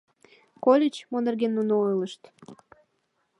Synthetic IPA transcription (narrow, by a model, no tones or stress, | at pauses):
kolʲet͡ɕmonerɡenːunoojləʃt̪